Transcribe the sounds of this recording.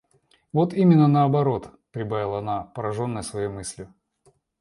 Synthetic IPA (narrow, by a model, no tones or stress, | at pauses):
vo̞t̪imʲɪnːənəɐbɐɾo̞t̪pɾʲɪbavʲɪlˠɐɐnapəɾɐʐo̞nːəjəsvɐjejmɨsʲlʲjʊ